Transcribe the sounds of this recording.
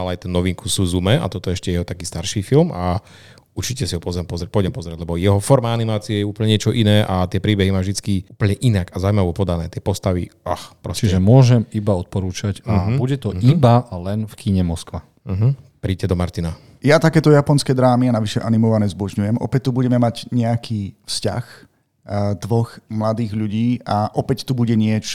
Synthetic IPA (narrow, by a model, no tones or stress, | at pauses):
alɛajt̪unɔʋiŋkusuzumɛa̰t̪ɔt̪ɔɛɛʃcɛjɛɦɔt̪akiːst̪aɾʃiːfilma | uɾt͡ʃicɛsiɦɔpɔzɾɛmpɔzɾɛpɔjɟɛmpɔzɾɛɟlɛbɔjɛɦɔfɔɾmaanimaːt͡siɛjɛuːplɲɛɲɪɛt͡ʃɔʔinɛːʔat̪ɪɛpɾiːbɛɦimaːʒd̪it͡skiuːpəɲɛʔinaɡazawuimaʋɔpɔd̪anɛːt̪ɪɛpɔst̪aʋḭʔaxpɾɔst͡ʃʒɛmʊɔʒɛmibaɔt̪̚pɔɾuːt͡ʃacabuɟɛt̪ɔibalɛnfkʰiɲɛmɔskʋa | ɦ | pɾicɛd̪ɔma̰ɾt̪ina | jat̪akɛːt̪ɔjapɔnskɛd̪ɾaːmianaʋiʃɛʔanimɔʋanɛzbɔʒɲujɛmʔɔ̰pɛc̚t̪ːubuɟɛmɛmaɟɲɛakʰifsca̰x | d̪ʋɔxmlad̪iːɣʎuɟiːaʔɔpɛct̪ubuɟɛɲɪɛt͡ʃ